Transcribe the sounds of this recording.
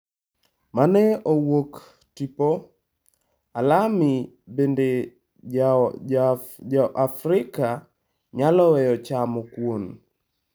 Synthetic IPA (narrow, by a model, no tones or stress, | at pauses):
manɛowok | tipo | alami | bende | ɔʔafɾɪka | ɲalɔwɛjɔt͡ʃamɔkwon